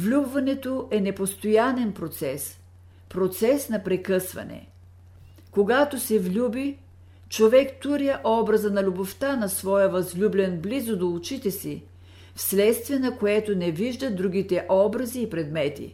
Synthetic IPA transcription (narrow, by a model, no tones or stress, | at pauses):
vlʲubvɐnɛt̪oʔɛnɛpost̪ojanɛnpɾot̪sɛs | pɾot̪sɛsnɐpɾɛkɤsvɐ̰nɛ̰ | koɡat̪osɛvlʲubi | t͡ʃovɛkt̪uɾiəʔɔbɾɐzənɐlʲuboft̪anɐsvɔjəvɐzlʲublʲɛnblizod̪olˠut͡ʃit̪ɛsi | fslɛt̪st̪viɛnɐkoɛt̪onɛviʒd̪əd̪ɾuɡit̪ɛʔɔbɾɐziːpɾɛd̪mɛt̪ḭ